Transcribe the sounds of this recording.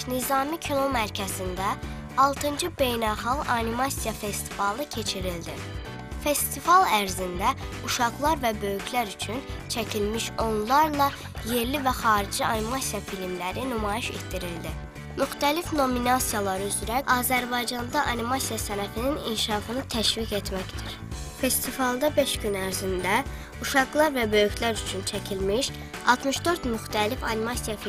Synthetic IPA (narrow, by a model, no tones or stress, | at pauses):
nizɑːmicʰino̞mæɾcʰæzind̪æ | ɑlˠt̪ʰɯnd͡ʒɯbe̞jnælχɑʁɑnimɑsijɑfe̞st̪ʰi̥fɑlˠɯcʰe̞t͡ʃʰiɾild̪i | fe̞st̪ivɑlˠæɾzind̪æuʃɑɣlˠɑɾvæbø̞jycʰlæɾyt͡ʃʰynt͡ʃʰæcʰilmiʃo̞nlˠɑɾlˠɑ | je̞ɾlivæχɑːɾid͡ʒiɑnimɑsijɑfilmlæɾinymɑːjiʃe̞̰t̪d̪iɾild̪i | myxt̪ælifno̞minɑsijɑlˠɑɾyzyɾæɑːzæɾbɑjd͡ʒɑnd̪ɑʔɑnimɑsijɑsænæfininḭnʃɑːfɯnɯt̪ʰæʃvike̞t̪mæcd̪iɾ | fe̞st̪ʰivɑlˠd̪ɑbe̞ʃɟynæɾzind̪æ | uʃɑɣlˠɑɾvæbø̞jycʰlæɾyt͡ʃʰynt͡ʃʰæcʰilmiʃ | ɑ̰lˠt̪ʰmɯʃd̪ø̞ɾt̪myxt̪ʰælifɑnimɑsijɑfi